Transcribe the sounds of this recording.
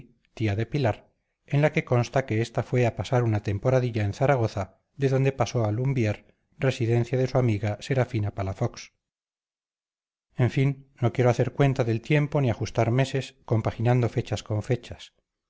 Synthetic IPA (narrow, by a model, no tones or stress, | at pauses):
t̪iaðe̞pilaɾ | enlake̞ko̞nst̪ake̞est̪afwe̞apasaɾunat̪e̞mpo̞ɾaðiʎaenθaɾaɣ̞o̞θa | ðe̞ðo̞nd̪e̞paso̞alumbjeɾ | re̞siðe̞n̟θjaðe̞suamiɣase̞ɾafinapalafoks | e̞ɱfinːo̞kjeɾoaθeɾkwe̞nt̪aðe̞lt̪je̞mpo̞niaxust̪aɾme̞se̞sko̞mpaxinand̪o̞fe̞t͡ʃaskõ̞ɱfe̞t͡ʃḁs